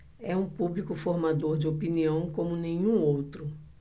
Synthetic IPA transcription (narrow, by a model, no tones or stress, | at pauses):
ɛũpublikʊfoɾmad̪oɾd͡ʒɪopiniɐ̃w̃kõmʊnẽɲũowt̪ɾʊ